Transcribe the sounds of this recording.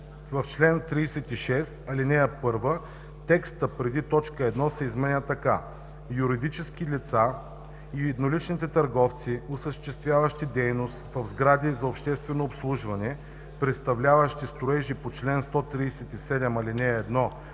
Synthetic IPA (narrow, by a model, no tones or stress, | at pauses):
vɐft͡ʃlɛnt̪ɾiːsɛt̪iʃɛsɐlinɛəpɤɾvə | t̪ɛkst̪əpɾɛd̪it̪ɔt͡ʃkəɛd̪nɔsɛizmɛnʲət̪ɐka | juɾid̪it͡ʃɛskilit̪sa | iɛd̪nolit͡ʃnit̪ɛt̪ɐɾɡɔft̪siosəʃt̪ɛst̪vʲjavɐʃt̪id̪ɛjnost̪vɐvzɡɾad̪izɐopʃt̪ɛst̪vɛnoːpslˠuʒvɐnɛ | pɾɛt̪st̪ɐvlʲavɐʃt̪ist̪ɾʊɛʒipot͡ʃlɛnst̪ɔt̪ɾijsɛt̪isɛd̪ɛmɐlinɛɛd̪nɔ